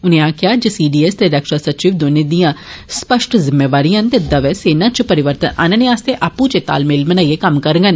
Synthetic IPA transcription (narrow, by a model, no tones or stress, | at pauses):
ʊnẽːãːkɪjaːd͡ʒesiːɖiːɛst̪eːɾəkʃɾaːsət͡ʃiːʋd̪oːneːd̪ijãːspəʃʈʰzɪmːeːʋaːɾijãːt̪ed̪əʋɛːseːnãːt͡ʃpəɾɪʋəɾt̪ənʔa̰ːnənẽːaːst̪eːʔaːpũt͡ʃet̪a̰ːlmɪlmənaːiekəmkəɾŋɡən